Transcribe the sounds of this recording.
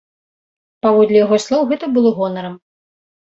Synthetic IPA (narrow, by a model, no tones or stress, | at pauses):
pavɔd̪lʲijaɣɔslˠɔwɣɛt̪ɐbɨlˠɔɣɔnɐɾɐm